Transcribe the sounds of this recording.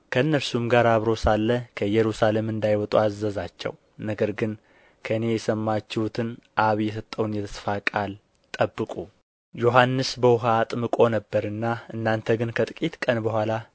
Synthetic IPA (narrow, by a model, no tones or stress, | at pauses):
kʰəɨnːəɾsumɡaɾaβɾo̞salːəkʰəjɛɾusale̞mɨnd̪ajwɔt̪ʼuazːəzat͡ʃːɛ̰w | nəɡəɾɡɨn | kʰəɨne̞jɛsəmːat͡ʃːɪhut̪ʰɨnʔaβjɛsət̪ʼːəwnjɛt̪ʰə̥sfakʼal | t̪ʼəbːɨkʼu | jo̞ɦanːɨsbəwɦaːt̪ʼmɨkʼo̞nəbːəɾɨnːaɨnːant̪ʰəɡɨnkʰət̪ʼɨkʼit̪kʼənbəhʷala